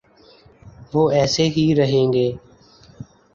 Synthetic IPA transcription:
ʋoːʔɛːseɦiɾəɦẽːŋɡeː

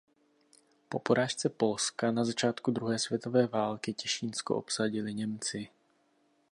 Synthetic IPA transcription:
popoɾaːʃt͡sɛpo̞lskanazat͡ʃaːt̪kud̪ɾuɦɛːsvjɛt̪ovɛːvaːlkɪcɛʃiːnskoʔo̰psaɟɪlɪɲɛmt͡sɪ

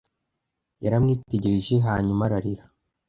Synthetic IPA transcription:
jaɾamŋiːteɟiɾiʒeɦaːɲumaɾaɾiɾa

